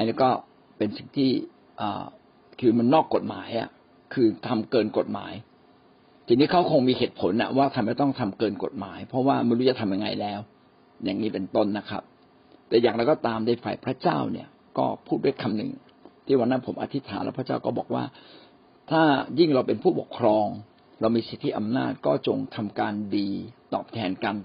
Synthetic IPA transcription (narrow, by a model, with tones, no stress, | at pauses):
ʔa˧niː˦˥˩kɔː˥˩ | pe˧nsi˨˩ŋt̪ʰiː˥˩ | ʔə̰ː˨˩ | kʰɯː˧ma˧nːɔː˥˩kːo˨˩t̪̚ma̰ː˩˦jʔa̰˨˩ | kʰɯː˧t̪ʰa˧mkɤː˧nko˨˩t̪̚ma̰ː˩˦j | t͡ɕi˨˩ŋt̪ʰiː˦˥˩kʰa˦˥wkʰo˧ŋmiː˧heː˨˩t̪̚pʰo˨˩˦nʔa̰˨˩waː˥˩t̪ʰa˧ma˧˩t̪ɔ˥˩ŋt̪ʰa˧mkɤː˧nko̰˨˩t̪̚maː˩˦jpʰɔ˦˥waː˥˩ma˧˥˩ɾu˦˥˩t͡ɕa˨t̪ʰa˧mja˧ŋa̰˧jlɛː˦˥w | jaː˨˩ŋniː˦˥pe˧nt̪o˥˩nːa˦˥kʰɾa̰˦˥p̚ | t̪ɛː˨˩jaː˨˩ŋɾa˧˥wkɔ˥˩t̪aː˧mdaː˥˩fa̰˨˩jpʰɾa˦˥t͡ɕaː˥˩wnḭ˦˥˩ɐ | kɔː˥˩pʰuː˥˩t̪̚du˥˩ə˨jkʰa˧mnɯ̰˨˩ŋ | t̪ʰiː˥˩wa˧˥nːa˦˥npʰo˩˦mʔa̰˧t̪ʰi˦˥t̪ʰaː˨˦nlɛ̰ː˦˥wpʰɾt͡ɕaː˥˩wkɔː˥˩bɔː˨˩k̚wa̰ː˥˩ | t̪ʰaː˥˩ji˥˩ŋɾa˧wpe˧npʰuː˥˩po̰˨˩kʰːɾɔː˧ŋ | ɾa˧wmiː˧si˨˦t̪ʰːi˦˥ʔa˧mnaː˥˩t̪̚kɔː˥˩t͡ɕo˧ŋt̪ʰa˧mkaː˧ndiː˧t̪ɔ̰ː˨˩p̚t̪ʰɛː˧nka˧n